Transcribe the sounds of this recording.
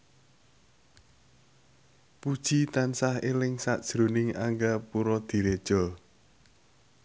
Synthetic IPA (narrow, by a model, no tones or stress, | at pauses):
pud̥ʒ̥it̪ansahelɪŋsaʔd̥ʒ̥ɾunɪŋaŋɡapuɾɔd̪̥i̤ɾed̥ʒ̥ɔ̤